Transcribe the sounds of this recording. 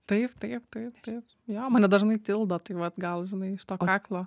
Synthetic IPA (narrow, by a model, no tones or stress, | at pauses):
t̪ɐɪpt̪ɐɪpt̪ɐɪpt̪ɐɪp | joːmɐːnʲɛd̪ɐʒnɐɪt̪ʲɪlˠd̪oːt̪ɐɪʋɐt̪ɡɐlˠʒʲɪnɐɪɪʃt̪oːkkɑːklˠoː